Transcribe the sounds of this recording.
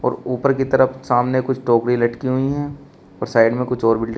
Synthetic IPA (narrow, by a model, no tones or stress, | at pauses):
ɔ̰ːɾuːpəɾkit̪ɐɾəfsaːmnekʊt͡ʃʰʈoːkɾilɐʈkiɦʊiɦɛː | ɔːɾsaːɪɖmẽkʊt͡ʃʰɔːɾbɪlʈ